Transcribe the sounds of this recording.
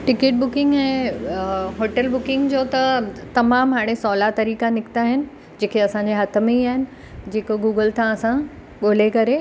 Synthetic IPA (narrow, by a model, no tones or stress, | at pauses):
ʈɪkeːʈ̚bʊkɪ̃ŋɡɛ̃ː | ɦoːʈəlbʊkɪ̃ŋɡd͡ʑoːt̪ɐt̪ɐmaːmɦaːɽ̃esɔːlat̪ɐɾiːkanɪkt̪aɦɪnɪ̆ | d͡ʑeːkʰeɐsãːɲd͡ʑeɦɐt̪ʰə̆mẽiaːɦɪnɪ̆ | d͡ʑeːkoɡuːɡəlt̪ʰãɐsã | ɠoːlekɐɾe